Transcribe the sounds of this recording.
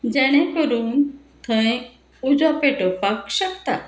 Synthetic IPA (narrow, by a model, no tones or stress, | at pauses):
d͡ʑɛɽ̃ẽkəɾuːn | t̪ʰə̃j | ud͡zwapeʈopakɕəkt̪a